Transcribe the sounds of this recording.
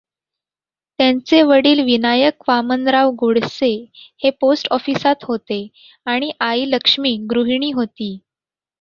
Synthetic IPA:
t̪jant͡seʋəɽiːlʋinajəkʋamənd̪ɾaʋɡoɽseheposʈɔfiːsat̪ɦot̪e | aɽ̃iʔailəkʂmiːɡɾuɦɳ̃iːɦot̪iː

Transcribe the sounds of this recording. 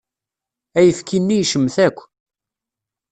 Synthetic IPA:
æjəfkʰinːijʃəmːθækʷː

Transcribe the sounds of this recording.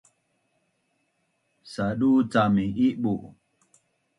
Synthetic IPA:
saɗut͡samiʔiɓuʔ

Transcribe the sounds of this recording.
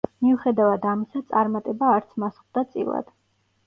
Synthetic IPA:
miuχɛd̪avad̪amisat̪sʼaɾmat̪ʼɛbaːɾt̪sʰmasχd̪at̪sʼḭlˠa̰d̪̥

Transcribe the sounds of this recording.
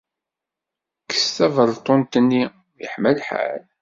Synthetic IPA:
kə̥st̪ævəɾt̪ˤont̪ənːi | jə̰ħmælħa̰l

